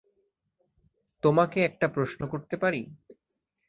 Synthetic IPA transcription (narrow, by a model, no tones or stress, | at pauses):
t̪omakeɛk̚ʈapɾoʃnokoɾt̪epaɾi